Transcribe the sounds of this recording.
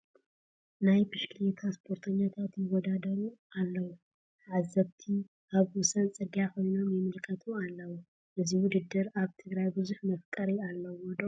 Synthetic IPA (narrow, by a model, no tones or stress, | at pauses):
najbɨʃkʰlet̪ʰaspʰo̞ɾt̪ʰɐɲːat̪ʰat̪jɪwɔd̪ad̪ɐɾualːɐwu | ʕazːɐβt̪ʰi | ʔaβwʊsɐnt͡sʼɨɡjakojnomjɨmɨlkʰɐt̪ʰualːɐwu | ʔɨziwʊd̪ɨd̪ːɨɾaβt̪ʰɨɡɾajbɨzuħmɐfkʼɐɾialːɐwɔd̪o